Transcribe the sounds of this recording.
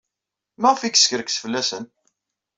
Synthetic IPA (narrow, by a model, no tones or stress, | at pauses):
mæʁfikːskəɾksfəlːæsən